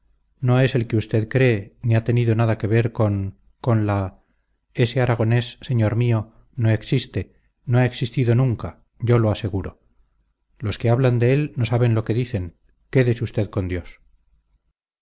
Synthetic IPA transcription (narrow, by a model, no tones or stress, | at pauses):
no̞e̞se̞lkeust̪e̞ðkɾe̞ːniat̪e̞niðonaðake̞β̞e̞ɾkon | ko̞nla | e̞se̞aɾaɣ̞o̞ne̞sːe̞ɲo̞ɾmio̞ | no̞e̞ksist̪e̞ | noae̞ksist̪iðo̞nũŋka | ɟ͡ʝo̞lo̞ase̞ɣuɾo̞ | lo̞skeaβland̪e̞elno̞saβe̞nlo̞keðiθe̞ŋ | ke̞ðesust̪e̞ðko̞nd̪jo̞s